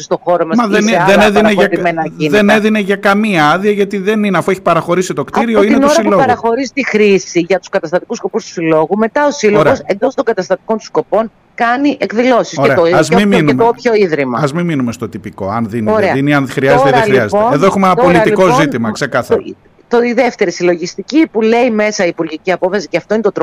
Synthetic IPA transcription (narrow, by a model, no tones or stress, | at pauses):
st̪oxoɾomɐmɐðenðeneðineʝɐt̪menɐiðe̞neðine̞ʝɐkɐmiɐɐðiɐʝɐt̪iðe̞nineɐfueçi̥pɐɾɐxo̞ɾisit̪o̞kt̪iɾioinnenoɾsɐilo̞ɣɐɣɾɐxoɾizit̪ixɾisiʝɐt̪u̥skɐt̪ɐst̪ɐt̪ikusko̞pust̪u̥silo̞ɣume̞t̪ɐosilooɾeɣosend̪o̞st̪oŋɡɐt̪ɐst̪ɐt̪i̥ko̞nt̪u̥sko̞po̞n | kɐniʔekðilo̞sisoɾeɾet̪oɐzmiminmopçoiðɾimɐɐzmiminumest̪o̞t̪ipiko̞ɐnðinoɾeɐðiniɐnxɾiɐzet̪eðexɾiɐzeoeeðoexumeenɐpolit̪iko̞zit̪imɐkse̞kɐθɐ | t̪oiðe̞ft̪e̞ɾisilo̞ʝist̪icipule̞ime̞sɐipuɾʝiciɐpo̞fɐsi̥ceɐft̪o̞inet̪ot̪ɾ